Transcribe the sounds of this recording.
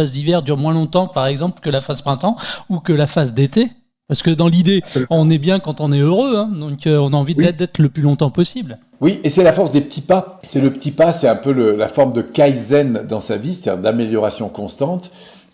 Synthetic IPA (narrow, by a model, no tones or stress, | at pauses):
azd̪ivɛʁd̪yʁmwɛ̃lɔ̃t̪ɑ̃paʁɛɡzɑ̃plkəlafaspχɛ̃t̪ɑ̃ukəlafazd̪et̪e | paʁsə̥kəd̪ɑ̃lid̪eɔ̃nɛbjɛ̃kɑ̃t̪ɔ̃nɛøʁøɛ̃d̪ɔ̃kəɔ̃naɑ̃vid̪ɛd̪ɛt̪χələplylɔ̃t̪ɑ̃pɔsibl | wiʔesɛlafɔʁsd̪epət̪ipasɛləpə̥t̪ʰipasɛɛ̃pøləlafɔʁmd̪əkajzɛnd̪ɑ̃savise̥t̪ad̪ḭʁd̪ameljɔʁasjɔ̃kɔ̃st̪ɑ̃t̪